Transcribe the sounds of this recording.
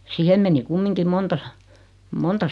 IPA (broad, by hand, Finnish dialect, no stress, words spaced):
sihem meni kumːiŋkim montɑ sɑ̥ montɑ